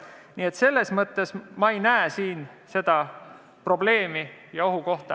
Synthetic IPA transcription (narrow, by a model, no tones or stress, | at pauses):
nie̞t̪se̞lːe̞smɤt̪ːe̞smɑe̞jnæesiːn | se̞d̪̥ɑ | pro̞ble̞ːmijɑo̞ɦuko̞ht̪ɑ